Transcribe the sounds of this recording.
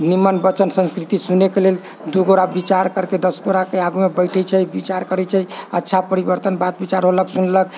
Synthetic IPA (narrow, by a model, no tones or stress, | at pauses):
nimənbət͡ʃənsə̃nskɾit̪isunekelel | d̪uɡoɾabit͡ʃaɾkəɾked̪əsɡoɾakeaɡumebəjʈʰət͡ʃʰəjbit͡ʃaɾkəɾɛt͡ʃʰəətːʃʰapəɾibəɾt̪ənbat̪̚bit͡ʃaɾɦoləksunlək̚